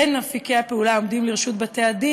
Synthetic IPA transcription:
enːafikeapeulao̞md̪imliʁeʃut̪̚bat̪ead̪i

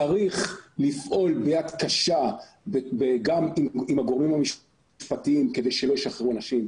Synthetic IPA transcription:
aʁiχlifʔo̞lbejat̪kaʃa | bebeɡamimimaɡo̞ʁmimhamiʃ | ʃpat̪iimked̪ejʃelo̞jiʃaχeuanaʃim

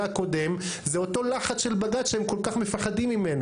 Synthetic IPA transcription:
ako̞d̪e̞m | zeo̞to̞laχat͡sʃe̞lbaɡat̪ʃeemko̞lkaχme̞faχadimimena

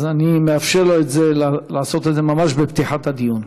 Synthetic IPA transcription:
zanimeafʃeʁloet̪zelalaːso̞t̪e̞d̪zemamaʃbept̪iħat̪had̪ijun

